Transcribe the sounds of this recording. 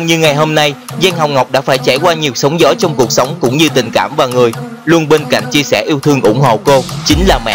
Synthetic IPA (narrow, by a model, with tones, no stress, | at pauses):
ŋ͡mɲɨ˧ŋa˨˩jɦo˧mna˧jza˧nɦa˨˩wŋ͡mŋa˨˩wk͡p̚ɗa̰ː˧˥faː˧˩jt͡ɕaː˧˩jkwaː˧ɲi˨˩əwsə˨˦wŋ͡mzɔ˨˦t͡ɕɔ˧wŋ͡mku˨˩ək̚sə˨˦wŋ͡mkʊ̰˧˥ŋ͡mɲɨ˧t̪ï˨˩ŋ̟kaː˧˩mvaː˨˩ŋɨ˨˩əj | lu˧ənɓe˧nka̰˧˨ŋ̟t͡ɕi˧əsɛ˧˩ʔi˧wt̪ʰɨ˧ŋʔʊ̰˧˩ŋ͡mho̰˧˨ko˧t͡ɕï˨˦ŋ̟laː˨˩mɛ̰˧˨